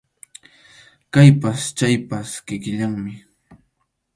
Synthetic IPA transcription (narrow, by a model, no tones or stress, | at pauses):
kajpast͡ʃajpaskɪkɪʎaŋmɪ